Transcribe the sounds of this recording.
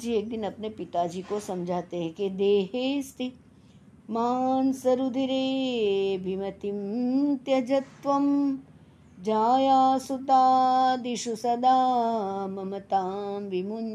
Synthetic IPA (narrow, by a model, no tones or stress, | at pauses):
d͡ʒiːeːk̚d̪ɪnɐpnepɪt̪aːd͡ʒiːkosɐmd͡ʒʱaːt̪eɦɛ̃ked̪eːɦeːst̪i | maːnsɐɾud̪ʱiɾeːbʱimɐt̪imt̪jɐd͡ʒɐt̪ʋɐm | d͡ʒaːjaːsut̪aːd̪iʃusɐd̪aːmɐmɐt̪aːmʋimun